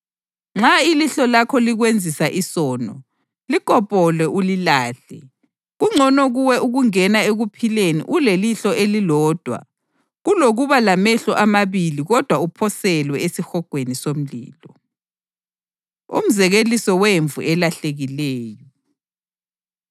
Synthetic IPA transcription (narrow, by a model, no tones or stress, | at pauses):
ŋ͡ǁailiɬɔlakʰɔliɣwend͡zʱisaʔisɔːnɔ | likʼɔpʼɔlwɛʔulilaːɬɛ | ɣuŋ͡ǀʱɔnɔɣuwɛʔuɣuŋɛnaeɣupʰilenḭʔuleliɬɔʔelilɔːd̥ʱwa̰ | ɣuloɣuβalamɛɬɔʔamaβiliɣɔd̥ʱwaupʰɔsɛlwɛesixɔɡ̥ʱwenisom̩lḭːlɔ | ṵm̩zɛɣelisɔweɱvṵɛlaɬeɣilɛːjɔ